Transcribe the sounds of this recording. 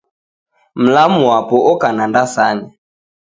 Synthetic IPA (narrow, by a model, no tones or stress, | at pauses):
m̩lamuwapɔʔɔkanandasaɲa